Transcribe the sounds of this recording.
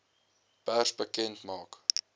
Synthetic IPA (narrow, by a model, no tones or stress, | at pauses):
pærsbəkɛntmɑːk